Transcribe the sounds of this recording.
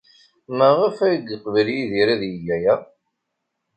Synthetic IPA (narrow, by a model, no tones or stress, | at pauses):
məʁəfæjɡəqvəljiðiɾæðjəjæjæ